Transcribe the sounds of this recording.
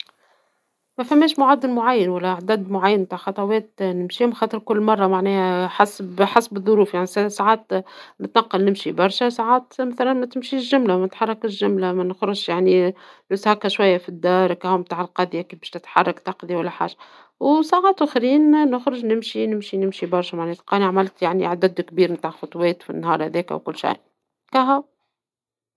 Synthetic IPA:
mæfæmːɛːʃmʊʕad̪ːɪlmʊʕajːɪnwælːæaʕd̪æd̪mʊʕajːənmt̪aːʕxɑt̪ˤɑwɛːt̪nɪmʃiːhʊmxɑːt̪ˤəɾkʊlːmɑrˤːɑmaʕnɛːhæħasbħasbɨðˤːʊɾuːfjaʕnisasaʕaːt̪̚nɪt̪nɑqːɑlnɪmʃibɑɾˤʃæsaʕaːt̪mæθælænmæt̪ɪmʃiːʒːʊmlamænɪt̪ħɑrˤːɑkɪʒʊmlamænɪxɾʊʃjaʕnilushakæʃwajːafid̪ːɑːɾˤkæhæwmt̪aːʕɪlqɑd̪jakiːfbɛ̥ːʃt̪ɪt̪ħɑ̰rˤːɑkt̪ɑqðiwælːæħa̰ːʒa | wsaːʕaːt̪wæxɾiːnnʊxɾʊʒnɪmʃinɪmʃinɪmʃibɑɾˤʃæmaʕnɛːt̪qɑːniʕamælt̪jaʕnḭʕad̪æd̪kbiːɾmt̪aːʕxʊt̪ˤwɛːt̪fḭnːɦɑ̰ːɾˤhæðɛːkæ̰wkʊlːʃa̰j | kæɦæw

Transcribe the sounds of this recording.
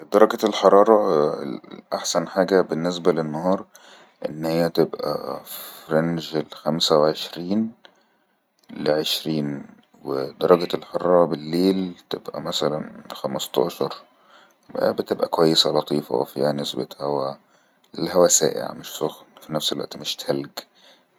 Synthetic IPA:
d̪ɑɾˤɑɡælħɑɾˤɑːɾˤɑ | ʔaħsænħaːɡæbenːes̬bælenːɑhɑːɾˤ | ʔenːhɪjːæt̪ebʔæ̰fɾenʒlxæmsæwʕeʃɾiːn | leʕeʃɾiːn | wed̪ɑɾˤɑɡælħorˤːɑbɪlːeːlt̪ebʔæ̰mæsælænxæmɑst̪ˤɑ̰ːʃɑɾˤ | bbɪt̪ebʔækowæjːesælɑt̪ˤiːfɑ̰w̰fḭhænɪsbḛt̪hæwæ | lhæwæsæ̰ːʔḛʕa̰mɪʃsoxfinæfselwæ̰ʔt̪imɪʃt̪hælɡ

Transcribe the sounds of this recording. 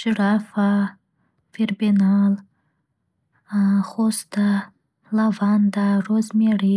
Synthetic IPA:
ʒɾafa | fiɾbinɑl | xost̪a | lavɑnd̪aɾozmeɽi

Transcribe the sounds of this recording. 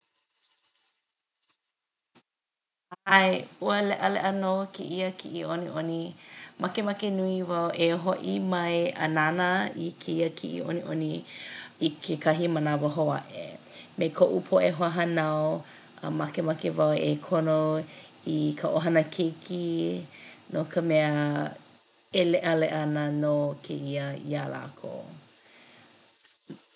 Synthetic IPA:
ajuəlɛʔəlɛ̰ʔənokʰeʔiəkʰiʔiʔoniʔonimakemakenuivawʔeɦoʔimɐjɐ̰nanəikʰeiəkʰḭʔḭʔo̰niʔo̰ni | ikʰekʰaɦimənavoɦoa̰ʔḛ | mekʰoʔupʰoʔeɦoaɦɐnaw | ə̰mɐkemɐkevɐwekʰono | ikʰəʔoɦɐnəkʰekʰi | nokʰəmɛə | eleʔəleʔɐnənokʰeiəiala̰ːkʰo̰

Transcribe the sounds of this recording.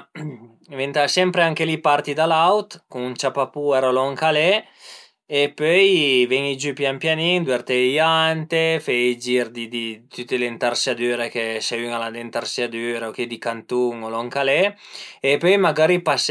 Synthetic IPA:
vent̪asɛmpɾeaŋkelipart̪id̪alawt̪kuŋunt͡ʃapapuɛɾalɔŋkalɛ | epøjvɛŋid͡ʒypjampjaniŋd̪wɛɾt̪eiant̪efɛjid͡ʒiɾd̪id̪it̪yt̪ːelent̪arsad̪yːɾekeseyŋalad̪ent̪arsad̪yːɾeok̟ed̪ikant̪uŋolɔŋkalɛepøjmaɡaɾipas

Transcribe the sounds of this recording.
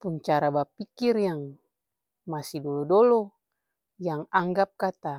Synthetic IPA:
punt͡ʃaɾabapikirjaŋ | masidɔlɔdɔlɔ | jaŋaŋɡap̚kat̪a

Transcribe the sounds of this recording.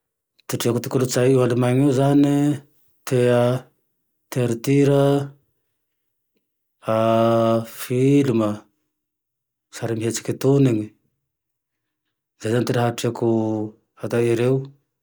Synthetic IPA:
t̪iʈ͡ʂiakut̪i̥kulut͡sajewalimaŋiwzani | t̪ʰea | t̪eaɾit̪iɾə | a | filumə | saɾimiɦet͡si̥kit̪uniŋi | zejzanit̪enaɦaʈ͡ʂiaku | at̪aiɾeu

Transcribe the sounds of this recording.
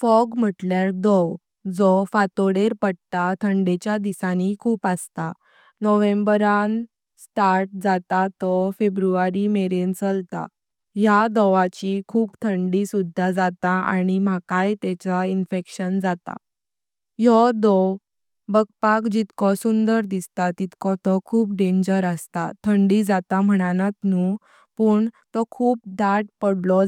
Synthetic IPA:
fɔɡm̤əʈljaɾd̪ɔw | d͡zɔfat̪oɽeɾpəɽt̪at̪ʰəɳɖet͡ɕjad̪isanikʰuːpast̪a | nɔʋẽmbəɾan | sʈaɾʈ̚d͡zat̪at̪ɔfebɾuʋaɾimeɾent͡səlt̪a̰ | ɦjad̪ɔʋat͡ɕikʰuːpt̪ʰəɳɖisud̪ʱːad͡zat̪aa̰ɽ̃im̤akajt̪ɛt͡ɕainfekɕənd͡zat̪a̰ | jɔd̪ɔ | bəɡ̚pakd͡ʑit̪kɔsund̪əɾd̪ist̪at̪it̪kɔt̪ɔkʰuːpɖẽɲd͡ʑəɾəst̪at̪ʰəɳɖid͡zat̪am̤əɽ̃anãt̪nuː | puːɳt̪ɔkʰuːp̚ɖaʈ̚pəɽlɔ

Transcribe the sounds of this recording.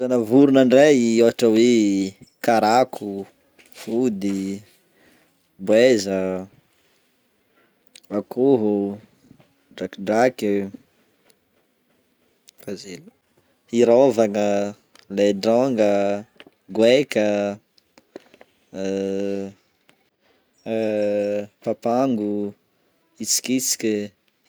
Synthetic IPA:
anəvuɾunaɳɖ͡ʐeɦioɦaʈ͡ʂəwe | kaɾakʰu | fud̪i | bwezə | akʰuɦu | ɖ͡ʐakɖ͡ʐaki | fazilu | iɾovanə | leɖ͡ʐaŋɡə | ɡwekə | papaŋɡu | it͡si̥kit͡si̥kʲi

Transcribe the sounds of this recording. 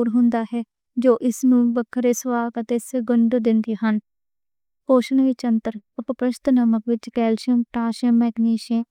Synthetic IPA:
ɾɦʊ̃nd̪aːɦɛː | d͡ʒoːʔɪsnũːbəkʰːəɾeːsʋaːɡət̪eːsɪɡəɳɖod̪ɪnd̪iːɦən | koːʃənʋiːt͡ʃənt̪əɾəpəpɾəʃt̪nəməkʋɪt͡ʃkɛːlʃiəmʈaːʃəmɛːɡniːʃẽː

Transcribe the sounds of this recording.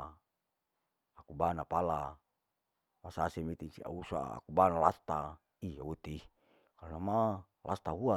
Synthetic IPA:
akubanapala | wasasemit̪insia̰usa̰a̰kubanalast̪a | iaut̪i | kalnama | lʔa̰st̪aɦua

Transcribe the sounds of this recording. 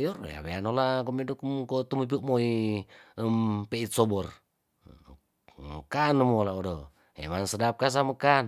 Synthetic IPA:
jɔr̰ja̰βeanolakomindukumkot̪umup̬iuʔmoi | əmpeit̪sɔbɔr | mkanmolaodɔ | ḛmansədap̚kas̬aməkan

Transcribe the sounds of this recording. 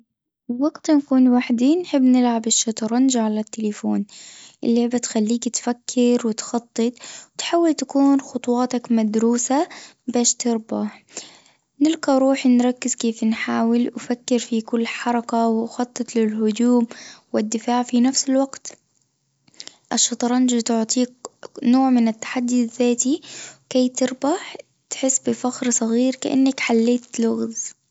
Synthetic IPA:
waɡt̪nkuːnwaħd̪inħɪbːnɪlʕabɪʃːɑt̪ˤɑɾˤnʒaʕalat̪ːɪlafoːnʔɪlːɪʕbat̪xalːiːkt̪fakʰːɪɾwɪt̪xɑt̪ˤːɨt̪ˤwt̪ħaːwːɪlt̪ḁkuːnxʊt̪ˤwɑːt̪ɑkmad̪ɾuːsabaːʃt̪ɑɾba | nɪlqɑɾˤuːħnɾˤɑkːɪzkeːfnħaːwɪlwfakːɪɾfikʊlːħɑɾˤɑkawɪʔxɑt̪ˤːɨt̪ˤlɪlhʊd̪uːmwɪd̪ːɪfaːʕfinafsɪlwaɡt̪ | ʔɑʃːɑt̪ˤɑɾˤɑnd͡ʒit̪ʊʕt̪ˤiːknoːʕmɪnat̪ːḁħad̪ːiðːaːt̪iwkaːt̪ɪɾbaħ | t̪ħɪsːbɪfaxɾsˤɑɣiːɾka̰ʔa̰nːakħalːeːt̪lʊɣðˤ

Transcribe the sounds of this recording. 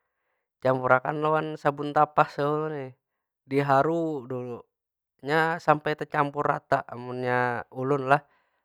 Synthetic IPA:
t͡ʃampuɾakanlowansabunt̪apahsəulunɛ | diɦaɾudulu | ɲasampajt̪at͡ʃampuɾa̰t̪aʔmunɲaulʊnlah

